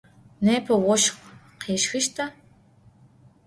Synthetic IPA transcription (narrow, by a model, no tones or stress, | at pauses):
neːpʰɐwɔʃq | qʰeːʃxɨʃtʰɐ